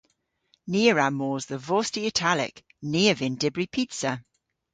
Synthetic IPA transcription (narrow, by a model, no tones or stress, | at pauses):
niːəɹamɔːzðəvɔːˑstiɪtʰalɪ̰k | niːəvɪ̃ndɪbɹipʰitsə